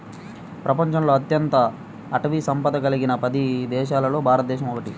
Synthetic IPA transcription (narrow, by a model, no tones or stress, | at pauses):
pɾɐpɐɲt͡ʃɐmlo̞ːɐt̪jɐnt̪ɐː | ʈɐʋisɐmpɐd̪ɐkɐliɡinɐpɐd̪id̪ɛːʃaːlɐlo̞ːbʱaːɾɐt̪ɐd̪ɛːʃɐmɔkɐʈi